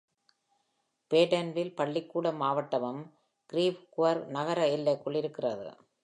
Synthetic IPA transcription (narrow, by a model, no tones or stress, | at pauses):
peːʈɐnʋɪlpɐɭːɪkːuːɽɐmaːʋɐʈːɐʋɐm | kɪɾiːʋkʊʋɐɾnɐɣɐɾɐɪlːɐkːɔɭːɪɾɯkːɪrɐðɯ̰